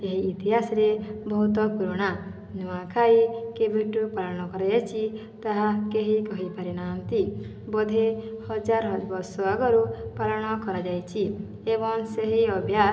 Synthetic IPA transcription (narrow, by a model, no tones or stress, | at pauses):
eɦiːt̪iɦasɔɾebɔɦut̪ɔpuɾuɽ̃a | nuãkʰaikebʱeʈupalɔɽ̃ɔkɔɾajat͡ʃʰi | t̪aɦakeɦikɔɦipaɾinant̪i | bɔd̪ʱehɔd͡ʒaɾɦɔbɔsɔaɡɔɾupalɔɽ̃ɔkɔɾad͡ʒajt͡ʃʰi | ebɔŋseɦiɔbʱja